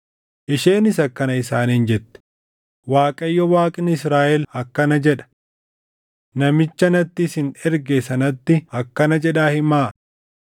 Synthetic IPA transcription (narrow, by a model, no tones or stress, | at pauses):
ʔɪʃeːnɪsɐkːɐnɐɪsaːniːnd͡ʒɛt̪ːɛ̥ | waːkʼɐjːɔwaːkʼɪnɪɪsɾaːʔɛlhɐkːɐnɐd͡ʒɛᶑɐ̥ | nɐmɪt͡ʃːɐnɐt̪ːɪsɪnɛɾɡeːsɐnɐt̪ːɪhɐkːɐnɐd͡ʒɛᶑaːhɪmaː